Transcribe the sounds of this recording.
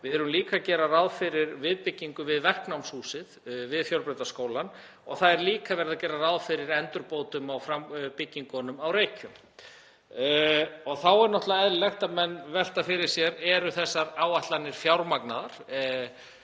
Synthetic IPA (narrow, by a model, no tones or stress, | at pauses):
vɪɛɾʏmliːkacɛːɾaraðfɪɾɪɾvɪðpɪcːiŋkʏvɪðvɛr̥knawmshuːsɪðvɪðfjowlpɾɛt̪askoːwlan | ɔɣθaðɛɾliːkavɛɾðacɛːɾaɾawðfɪɾɪɾɛnt̪ʏɾpoːwt̪ʏmawfɾampɪcːiŋkɔnʏmawrejcʏm | ɔɣθawɛɾnɔht̪laɛðllɛxt̪amɛnːvɛl̥t̪afɪɾɪɾ̥sjɛɾɛɾʏθɛsːaɾawaht̪lanːɪɾ̥fjawɾmaknaðaɾ̥